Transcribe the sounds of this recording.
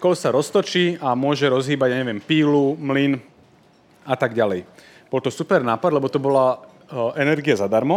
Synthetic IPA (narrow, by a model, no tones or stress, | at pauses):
kɔlsaɾɔst̪ɔt͡ʃiːamʊɔʒɛɾɔzɦiːbaɟjaɲɛʋɪɛmpiːlumlin | at̪aɡɟalɛj | b̥ɔlt̪ɔsupɛɾnaːpad̪lɛbɔt̪ɔbɔla | ɛnɛɾɡiazad̪aɾmɔ